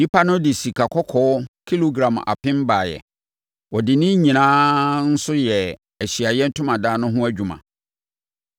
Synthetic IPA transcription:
ji˦pʰa˦nʊ̃˦dɪ˨si˨kʰa˨kʰɔ˦kʰɔ˨˦kʰi˦lo˦ɡɾã˨ma̰˨pʰɪ̃˦m˦baː˨jɛ̰˨ | wɔ˨dɪ˨nɪ̃˦ɲĩ˨nãː˦n̩˦sʊ˦jɛ˨ | æ˨ɕi˨a˨jɛ˦n̩˦tʰʊ̃˦mã˨daː˦nʊ̃˦ɦʊ̃˦æ˦d͡ʑᶣu˨mã̰˨

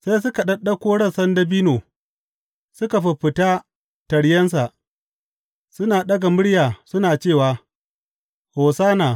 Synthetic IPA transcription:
sa˦js̬ʊ˦ka˨ɗɐ˦ɗɐ˦kʷoː˦ɽɐ˦˨sɐ˦ndɐ˦biː˦noː˨ | sʊ˦ka˨ɸɪ˨ɸɪ˨taː˦ | tɐ˨ɽjɐ˦ns̬a˨ʔ | sʊ˦naː˨ɗɐ˦ɡa˨mʊ˦ɽjaː˨sʊ˦naː˨t͡ʃeː˦˨waː˨ | hoː˨saː˦naː˨

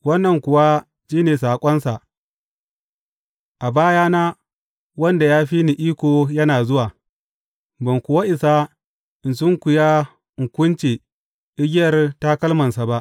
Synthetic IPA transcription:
wɐ˦nːɐ˨ŋkʷʊ˨wa˦ | d͡ʒiː˦neː˨s̬aː˨kʷʼɔ˦nsa˨ʔ | ʔa˨baː˦jaː˦naː˦ | wɐ˦nda˨jaː˦ɸi˦ni˨ʔiː˦kʷoː˨jɐ˦naː˨zʊ˦waː˨ | bɐ˨ŋkʷʊ˨wa˦ʔɪ˨sa˦ | ʔɪ˨ns̬ʊ˦ŋkʷʊ˨ja˦˨ | kʷʊ˦nt͡ʃeː˨ | ʔɪ˦ɡʲɪ˦jɐ˨rta˦kɐ˦lmɐ˨nsa˨ba˦ʔ

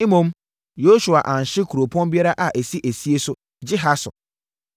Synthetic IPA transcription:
i˦mõ˦m | jo˦su˨a˨ʔã˨n̩˨ɕɪ˦kʰu˨ɾo˨pʰɔ̃˦nbi˦a˦ɾa˦ʔa˨ʔe˨si˦ʔæ˨si˦e˦sʊ˦ | d͡ʑɪ˦ɦa˦sʊ̰˨

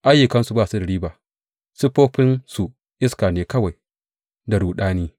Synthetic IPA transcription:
ʔa˦jːʊ˨kɐ˦nsu˨baː˦˨su˦dɐ˨ɽiː˦baː˨ | su˦poː˦ɸɪ˦nsu˨ | ʔɪ˦skaː˨neː˨kɐ˦wa˨j | da˨ɽuː˨ɗaː˦niː˦

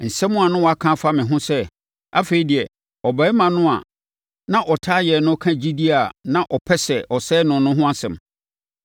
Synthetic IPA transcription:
n̩˨sɛ̃˦mːʊ̃˦a˨nʊ̃˦wɔ˨a˦kʰã˦fa˦mɪ̃˨ɦʊ̃˦sɛ˦ | a̰˦fe˨i˨˦di˨ɛ˨ | ɔ˨bɛ˨˦mã˨nʊ̃˦a̰˨ | nã˦ʔɔ˨tʰaː˦jɛ˨nʊ̃˦kʰã˦d͡ʑi˦di˦a˨nã˦ʔɔ˨pʰɛ˦sɛ˨ʔɔ˨sɛː˦nʊ̃˨˦nʊ̃˦ɦʊ̃˦a˦sɛ̰̃˨m

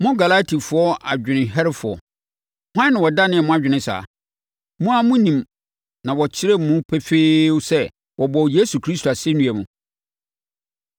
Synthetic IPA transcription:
mʊ̃˦ɡa˨la˦tʰi˨fʊ˨˦ɔ˦ʔa˨d͡ʑᶣɪ˨nɪ̃˨ɦɛ˦ɾɪ˦fʊ˨ɔ̰˨ | hã˦nːɪ̃˨wɔ˨da˦nɪ̃˦ɛ˨mʊ̃˦a˨d͡ʑᶣɪ˨nɪ̃˦sa̰ː˨˦ | mũ˦a˨mʊ̃˦nĩ˨m | nã˨wɔ˨t͡ɕʰɪ˦ɾe˦mũ˦pʰɛ˦feː˦wsɛ˦ | wɔ˨bɔ˨wje˦su˨kʰɾi˦sto˨a˨se˦nũ˦æ˨mũ˨

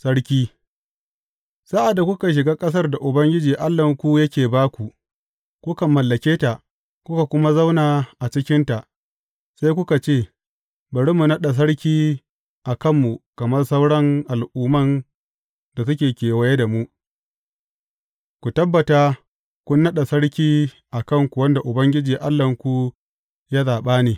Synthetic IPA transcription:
sɐ˦ɽkʲiː˦ | sa˦ʔa˨dːa˨kʷʊ˦ka˨ʃ̬ɪ˨ɡaː˦kʼɐ˦s̬ɐ˦rda˨ʔʊ˨bɐ˦ŋɡʲɪ˦d͡ʒiː˨ʔa˦lːɐ˨ŋkʷu˦jɐ˦kʲeː˨baː˦kʷu˨ | kʷʊ˦ka˨mːɐ˨lːɐ˨kʲeː˦ta˨ | kʷʊ˦ka˨kʷʊ˦ma˦za˦wnaː˨ʔa˨t͡ʃɪ˦kʲɪ˦nta˨ | sa˦jkʷʊ˦ka˨t͡ʃeː˦˨ | bɐ˨ɽi˦mu˨nɐ˦ɗa˨s̬ɐ˦ɽkʲiː˦ | ʔa˨kɐ˦˨mːu˨kɐ˨mɐ˦rsɐ˦wɽɐ˦ŋʔa˨lʔuː˦mɐ˦n | da˨sʊ˦kʲeː˨kʲeː˨wɐ˦je˦da˨mu˦ | kʷu˨tɐ˦bːɐ˨ta˦ | kʷʊ˦nːɐ˦ɗa˨sɐ˦ɽkʲiː˦ | ʔa˨kɐ˦ŋkʷu˨wɐ˦nda˨ʔʊ˨bɐ˦ŋɡʲɪ˦d͡ʒiː˨ʔa˦lːɐ˨ŋkʷu˦ | jaː˦zaː˨ɓaː˦neː˨

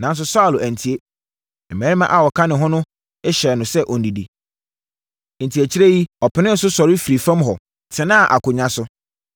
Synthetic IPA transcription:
nã˨˦n˦s̬ʊ˦sa˦˨læ̃˨n˨tʰi˨e˦ | m̩˨mæ̃ː˨˦i˦mã̰˦ʔa˨wɔ˨kʰã˦nɪ̃˨ɦɔ̃˦nʊ̃˦ | ɛ˦ɕɛ˨nʊ̃˨sɛ˦ʔɔ˨n̩˨di˨di˨ | n̩˨tʰi˨æ˨t͡ɕʰi˦ɾæ˦ji˦ɔ˨pʰɪ˨nɪ̃˦n̩˨˦sʊ˦sɔ˨ɾɪ˦fi˨ɾi˨fã˦mɦɔ˨ | tʰɪ̃˨nã˦˨ʔa̰˨kʰʊ˨ɲã˦sʊ˦

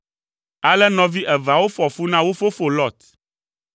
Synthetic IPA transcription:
a˦lɛ˦nɔ̃˦vi˦ʔɛ˨va˨wo˦fɔ˨fu˦nã˦wo˦fo˦fo˨lɔ˦˨t̪

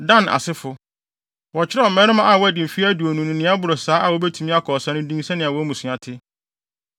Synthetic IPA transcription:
dã˦˨na̰˨sɪ˦fʊ˨ | wɔ˨t͡ɕʰɪ˦ɾa˦˨mɛ̃˦ɾɪ˦mã˦ʔa˨wɔ˦æ˨dɪ̃˨fi˦æ˦du˨o˨nũ˨nʊ̃˨nɪ̃˦a˦bʊ˨ɾʊ˨saː˨˦ʔa˨wɔ˦bæ˦tʰu˨mĩ˦a˦kʰɔ˨sã˦nʊ̃˦dĩ˦ŋ˦sɛ̃˦nɪ̃˨a˨wɔ˦mũ˨sʊ̃˨ã˨tʰɪ˦

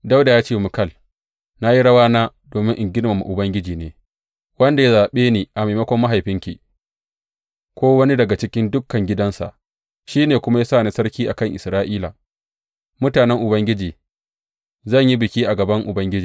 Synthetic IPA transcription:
da˦wda˨jaː˦t͡ʃeː˦˨mʊ˨kɐ˦˨l | na˦ji˦ɽɐ˦waː˦naː˦ | doː˨mɪ˦ŋʔɪ˨ŋɡʲɪ˦lmɐ˨mːa̰˨ʔʊ˨bɐ˦ŋɡʲɪ˦d͡ʒiː˨neː˨ | wɐ˦nda˨ja˦zaː˨ɓeː˦niː˨ʔa˨ma˨mɐ˦kʷɔ˦mːa˦ɦa˨jɸɪ˦ŋkʲḭ˨ | kʷoː˦wɐ˦ni˦dɐ˨ɡa˨t͡ʃɪ˦kʲɪ˦ndʊ˦kːɐ˨ŋɡʲɪ˦dɐ˦nsa̰˨ʔ | ʃiː˦neː˨kʷʊ˦ma˦ja˦saː˦˨na˦sɐ˦ɾkʲiː˦ʔa˨kɐ˦˨ŋʔɪ˨sɾaː˦ʔiː˦la̰˨ | mʊ˦taː˨nɛ˦ŋʔʊ˨bɐ˦ŋɡʲɪ˦d͡ʒiː˨ | zɐ˦˨ɲji˦bɪ˨kʲiː˦ʔa˨ɡɐ˨bɐ˦ŋʔʊ˨bɐ˦ŋɡʲɪ˦d͡ʒiː˨

